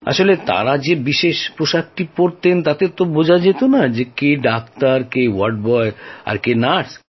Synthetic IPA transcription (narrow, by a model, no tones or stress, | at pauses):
a̰ʃolet̪a̰ɾad͡ʑebiʃeʃpɾoʃak̚ʈipoɾt̪ent̪at̪et̪obod͡ʑʱad͡ʑet̪onad͡ʑekeɖak̚t̪aɾkewaɾʈ̚bɔea̰ɾkenaɾs